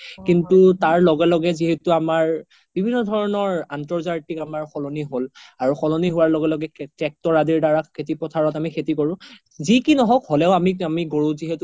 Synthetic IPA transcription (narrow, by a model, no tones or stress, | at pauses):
kintutaɹlɔɡɛlɔɡɛziɦetuamaɹ | b̥ibʱinːɔdʱɔɹɔnɔɹantɔɹzaɹtikamaɹxɔlɔniɦolaɹuxɔlɔniɦʊwaɹlɔɡɛlɔɡɛtɛk̚tɔɹadiɹdaɹakʰet̬ipɔtʰaɹɔtamikʰetikoɹʊ̃ | zikinɔɦɔkhɔlɛʊamiamiɡoɹũziɦetu